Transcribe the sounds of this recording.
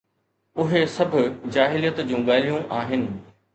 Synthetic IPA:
ʊɦesɐbʱʊd͡ʑaːɦɪlijət̪d͡ʑũːɠaːlijũʔaːɦɪnɪ̆

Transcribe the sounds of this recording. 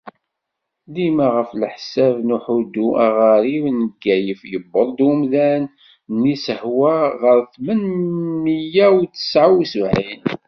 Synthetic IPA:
limaʁəflħsævnuħud̪uʔaʁaɾivnəɡːæjəfjəbːəðˤd̪ʊmðæn | nisəhwæʁəɾθmənmijæwt͡sːə̥sʕawisvʕin

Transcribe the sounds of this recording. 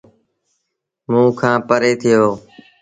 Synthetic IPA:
mũːkʰãːpəɾeːt̪ʰɪjoː

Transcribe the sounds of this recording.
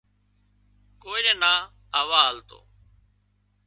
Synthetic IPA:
koːnenaː | əːʋaːlt̪o̰ː

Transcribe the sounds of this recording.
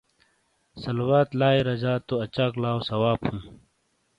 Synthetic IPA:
sɐlwaːt̪laːeɾɐd͡ʑaːt̪ːoɐt͡ɕaːklaːwsɐwaːphũː

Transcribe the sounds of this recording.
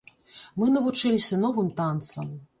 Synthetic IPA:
mɨnɐvut͡ʂɨlʲisʲɐnɔvɨmt̪ant̪sɐm

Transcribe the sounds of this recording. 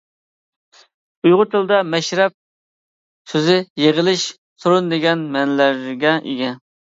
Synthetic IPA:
ujʁʊt̪ʰɨlˠd̪ɑmɛʃɾɛp̚ | søzɪjeʁəlˠɪʃ | suɾund̪ɪɡʲɛnmɛnlæɾɡʲɛʔḛɡʲɛ

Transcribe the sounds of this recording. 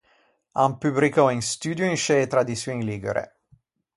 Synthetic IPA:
ampyblikɔinst̪yːd̪joinʃet̪ɾad̪isuĩnliɡḛɾʔḛ

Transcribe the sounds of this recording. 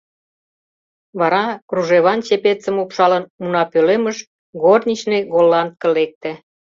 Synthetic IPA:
βɑɾɑkruʒeβɑnt͡ɕepet͡sə̆mopʃɑlənmunɑpøleməʃ | ɣornʲit͡ɕneɣolːɑnt̪̚kə̆lek̚t̪ĕ

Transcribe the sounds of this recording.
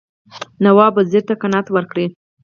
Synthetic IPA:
nawɑbəzeɾt̪akanɑt̪wəɾkɽi

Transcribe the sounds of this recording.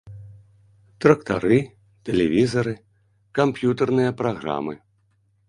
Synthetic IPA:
t̪ɾɐk̚t̪a̰ɾɨ | t̪ɛlʲɛvʲizɐɾɨ | kampjut̪ɛrnɨjɐpɾaɣɾa̰mɨ̰

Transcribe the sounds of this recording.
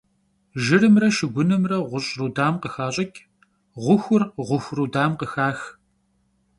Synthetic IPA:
ʒɪrɨmrɐʃɪɡʷʊnɨmrɐʁʷʊɕʼruːdaːmqəxaːɕʼɐkʲʼ | ʁʷʊxʷʊrʁʷʊxʷruːdaːmqəxaːx

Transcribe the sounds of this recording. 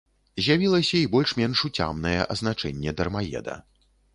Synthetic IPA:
zʲjavʲilˠɐsʲɐibɔlʲʂmʲɛnʂut͡sʲa̰mnɐjɛ̰ʔɐ̰znat͡ʂɛ̰nʲːɛd̪ɐrmajɛ̰d̪ɐ̰

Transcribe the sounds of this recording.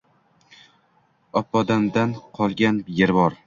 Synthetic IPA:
ɒpːɒd̪amd̪anqʰɒlˠɡʲanjeɾbɒɾ

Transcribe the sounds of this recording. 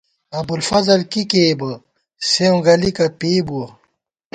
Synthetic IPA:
ɐbulfɐzɐlkikeːbɐ | seũɡɐlikɐpeːbuɐ

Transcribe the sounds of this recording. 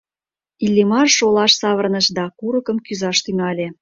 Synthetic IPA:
ilʲːimɑrʃolɑʃsɑβə̆rnəʃd̪ɑkuɾəkə̆mkyzɑʃt̪yŋɑlʲe

